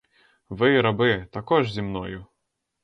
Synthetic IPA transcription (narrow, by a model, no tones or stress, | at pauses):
ʋɪɾɐbɪt̪akɔʐzʲimnɔjʊ